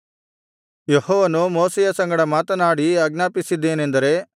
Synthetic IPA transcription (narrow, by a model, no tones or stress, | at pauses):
jehoːʋɐnumoːsɛjɐsɐŋɡɐɽɐmaːt̪ɐnaːɽiɐɡnaːpisid̪ːe̞ːne̞nd̪ɐɾe̞